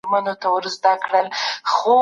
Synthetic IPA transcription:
ɾmanot̪awəɾzd̪akɽəlxo

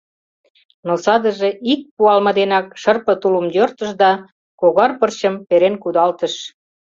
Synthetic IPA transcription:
nosɑd̪əʒeʔik̚puɑlmɤ̆d̪enɑkʃərpə̆t̪uləmjørt̪ə̆ʃd̪ɑ | koɣɑrpərɕəmpeɾenkud̪ɑlt̪ə̆ʃ

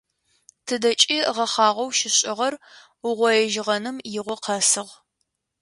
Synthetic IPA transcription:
tʰɨdɐt͡ʃʼiʁɐχɑːʁʷɐwʃɪɕʼɪʁɐr | ʊʁʷɔjɛʒɪʁɐnɨmjɪʁʷɔqʰɐsɨʁ

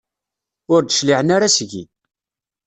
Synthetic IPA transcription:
ʊɾd̪əʃliʕənaɾasʝḭ

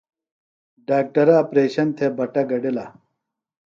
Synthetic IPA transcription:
ɖaːk̚ʈɐɾɐːpɾeːɕɐnt̪ʰebɐʈɐɡɐɖila

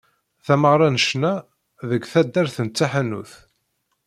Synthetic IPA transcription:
θæməʁɾˤɑnəʃnæ | ðəɡθæd̪ːæɾθənt͡sːaħænṵθ

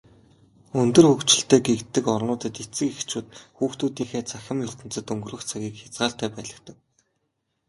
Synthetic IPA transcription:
ɵnt̪ɵ̆rxɵkt͡ɕɪ̆ɬt̪eːɡekt̪ːɘ̆kɔrnʊːt̪ə̆t̪et͡sɘ̆kext͡ɕuːt̪xuːxt̪uːt̪iːxeːt͡sʰaxʲə̆mjʊɬt̪ɘ̆nt͡sɘ̆t̪ɵŋɡɵ̆rɵ̆xt͡sʰaɣʲiːkxʲḁt͡sɢaːɬt̪æːpæːɮə̆kt̪ə̆k̚

